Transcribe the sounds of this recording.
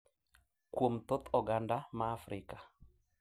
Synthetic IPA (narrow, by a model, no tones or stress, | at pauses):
kwomt̪ot̪ɔɡandamaːfɾʔɪkḁ